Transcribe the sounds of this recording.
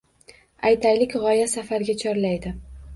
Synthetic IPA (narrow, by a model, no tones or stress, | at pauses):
ajt̪ʰajlɪkʲʁɒjasafaɾɡʲat͡ʃʰɒɾlajd̪ɪ